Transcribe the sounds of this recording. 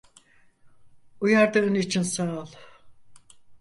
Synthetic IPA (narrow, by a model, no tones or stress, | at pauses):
ujaɾd̪ɯɯnit͡ʃʰinsaːlˠ